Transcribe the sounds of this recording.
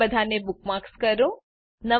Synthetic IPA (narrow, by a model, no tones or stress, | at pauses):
əd̪ʱanebuk̚makskəɾõ | nə